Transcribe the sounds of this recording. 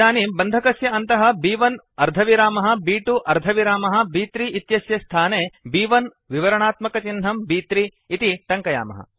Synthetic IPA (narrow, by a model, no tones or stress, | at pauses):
aːniːmbɐnd̪ʱɐkɐsjɐɐnt̪ɐɦɐ̆biːʋɐn | ɐɾd̪ʱɐʋiɾaːmɐɦɐ̆biːʈuʔɐɾd̪ʱɐʋiɾaːmɐɦɐ̆biːt̪ɾiit̪jɐsjɐst̪ʰaːneːbiːʋɐn | ʋiʋɐɾɐɳaːt̪mɐkɐt͡ʃinɦɐmbiːt̪ɾiː | t̪iʈɐŋkɐja̰ːmɐ̰ɦɐ̰